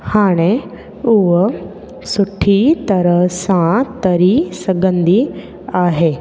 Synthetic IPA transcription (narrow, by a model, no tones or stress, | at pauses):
haːɽ̃e | uʋə | suʈʰit̪əɾəsãt̪əɾisəɡənd̪i | aːɦe